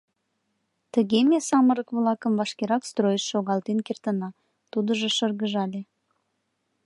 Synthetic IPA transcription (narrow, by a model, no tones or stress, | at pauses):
t̪əɣemesɑməɾəkβlɑkəmvɑʃkeɾɑkst̪rojəʃːoɣɑlt̪enkert̪ənɑ | t̪ud̪əʒəʃərɣəʒɑle